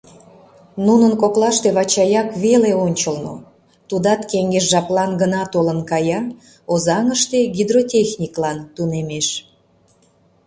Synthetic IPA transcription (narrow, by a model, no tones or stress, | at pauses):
nunənkoklɑʃt̪eβɑt͡ɕɑjɑkβeleonʲt͡ɕəlno̰ | t̪ud̪ɑt̪keŋɡeʃʒɑplɑnɡənɑt̪olənkɑjɑ | ozɑŋəʃt̪eɡʲid̪rotʲexnʲiklɑnt̪unemeʃ